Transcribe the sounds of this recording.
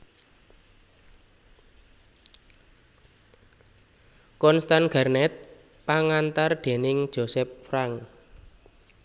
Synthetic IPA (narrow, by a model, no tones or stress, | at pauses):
kɔnst̪anɡ̥a̤rnɛt̪̚ | paŋant̪arɖ̪̥e̤nɪŋ̥d͡ʒ̥o̤sɛp̚fɾaŋ